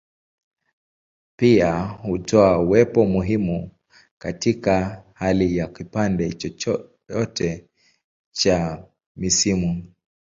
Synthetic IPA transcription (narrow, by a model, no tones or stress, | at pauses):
piahutɔauwɛpɔmuɦimu | katikahalijakipandɛt͡ʃɔɔ | ɔtɛ | t͡ʃa | misimu